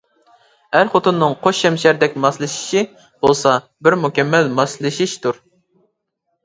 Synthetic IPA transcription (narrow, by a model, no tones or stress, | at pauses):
hæɾχot̪unːɨŋqʰoʃːɛmʃæɾd̪ɛk̚ʲmɑslˠɨʃi̥ʃi | b̥olˠsɑ | bɪɾmukʲɛmːɛlmɑslˠɨʃiʃt̪ʰuɾ